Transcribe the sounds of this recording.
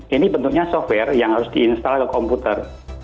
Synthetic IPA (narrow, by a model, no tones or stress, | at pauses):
ʔinibənt̪ʊk̚ɲasɔfwɛrjaŋhaɾʊsdiːnst̪alakəkɔmput̪ər